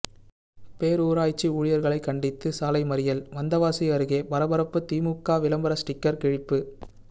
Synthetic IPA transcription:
peːɾuːɾaːjt͡ʃːiuːɻɪjɐɾɣɐɭɐɪkːɐɳɖɪt̪ːɯsaːlɐɪmɐɾɪjɐlʋɐnd̪ɐʋaːsɪɐɾɯɣeːbɐɾɐbɐɾɐpːɯt̪iːmukːaːʋɪlɐmbɐɾɐsʈɪkːɐɾkɪɻɪpːɯ

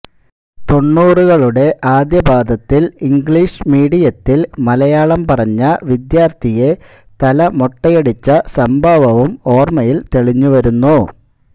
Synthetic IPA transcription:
t̪o̞ɳːuːruɣɐɭuɽe̞ʔaːd̪jɐbaːd̪ʱɐt̪ːiliŋɡɭiːʂɨmiːɽijɐt̪ːilmɐlɐjaːɭɐmpɐrɐɲːɐʋid̪jaːrt̪ʰije̞ | t̪ɐlɐmoʈːɐjeɽit͡ɕːɐsɐmbʱɐʋɐʋumo̞ːrmɐjilt̪eɭiɲːuʋɐɾunːu

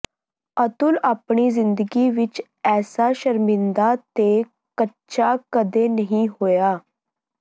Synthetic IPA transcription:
ət̪ulapɳ̃izɪnd̪əɡiʋɪt͡ɕ | ɛːsaɕəɾmɪnd̪at̪e | kətːʃakəd̪enəɦĩɦoja

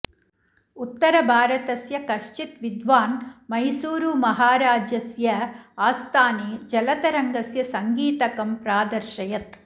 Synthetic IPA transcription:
ut̪ːɐɾɐbʱaːɾɐt̪ɐsjɐkɐʂt͡ʃit̪ʋid̪ʋaːnmɐjsuːɾumɐɦaːɾaːd͡ʒɐsjɐaːst̪aːneːd͡ʒɐlɐt̪ɐɾɐŋɡɐsjɐsɐŋɡiːt̪ɐkɐmpɾaːd̪ɐɾʃɐjɐt̪

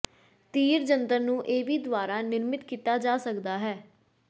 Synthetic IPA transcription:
t̪iːɾd͡ʒənt̪əɾnũːʔeːʋiːd̪ʋaːɾaːnɪɾmɪt̪kiːt̪aːd͡ʒaːsəkd̪aːɦɛː

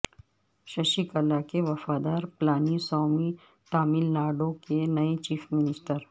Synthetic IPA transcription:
ʃɐʃikɐlakeʋɐfaːd̪aːɾplaːnisɔːmi | t̪aːmɪlnaːɖõkenɐet͡ʃiːfmɪnɪsʈəɾ

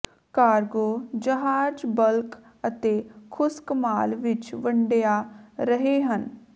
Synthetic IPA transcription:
kaːɾɡoːd͡ʒəɦaːd͡ʒbəlk | ət̪eːkʰʊskəmaːlʋɪt͡ʃʋəɳɖejaːɾəɦeːɦən

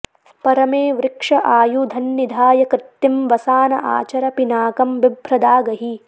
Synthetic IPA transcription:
pɐɾɐmeːʋɾɪkʂɐʔaːjud̪ʱɐnːid̪ʱaːjɐkɾɪt̪ːimʋɐsaːnɐʔa̰ːt͡ʃɐɾɐpinaːkɐmʋibʱɾɐd̪aːɡɐɦi

